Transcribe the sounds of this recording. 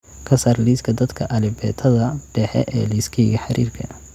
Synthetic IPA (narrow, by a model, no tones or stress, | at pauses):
kʰɐsaːrliːskʰɐd̪ɐd̪kʰɐʔɐlɪbɛːt̪ʰɐðɐɖ̥ɛħɛ̰ʔɛːliːskʰɛjɡɐħɑɾḭːrkʰɐ